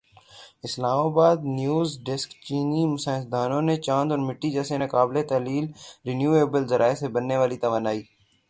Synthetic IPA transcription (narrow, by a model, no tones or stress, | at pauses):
ɪslaːmaːbaːd̪njuːzɖɪskt͡ʃiːniːmʊsəːsd̪aːnõːneːt͡ʃãːnd̪ɔɾmɪʈːiːd͡ʒɛːseːnẽːkaːblet̪əɦliːlɾɪnjuːeːbəlzəɾʔaːesebənːeːʋaːlit̪əʋaːnaːiː